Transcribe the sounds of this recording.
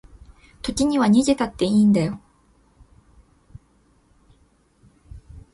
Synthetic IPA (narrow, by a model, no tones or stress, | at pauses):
t̪oɡiɲiwaɲid͡ʑetatt͈eindejo